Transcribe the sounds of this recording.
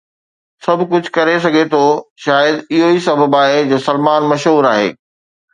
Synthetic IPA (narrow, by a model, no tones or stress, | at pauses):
sɐbʱkʊd͡ʑʱkɐɾes̬ɐɡʱet̪ʰoːʃaːjəd̪ɪɦoisɐbʱəbaːɦed͡ʑoːsɐlmaːnmɐʃɦuːɾaːɦḛː